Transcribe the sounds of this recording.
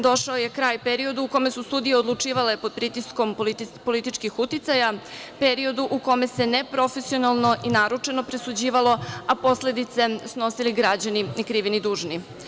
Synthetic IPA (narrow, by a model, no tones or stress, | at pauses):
d̪o̞ʃaoje̞kɾaːjpeɾio̞d̪uːko̞mesust̪uːd̪ijeod̪lˠut͡ʂiːʋale̞pod̪̚pɾit̪isko̞mpo̞lit̪it͡ʃkixut̪it̪sajapeɾio̞d̪uʔuko̞me̞se̞nepɾo̞fe̞sionalˠno̞ʔinaɾut͡ʂe̞nopɾesud͡ʑiːʋalo̞apo̞sle̞d̪it̪se̞sno̞siliɡɾad͡ʑaninikɾiʋinid̪uːʒni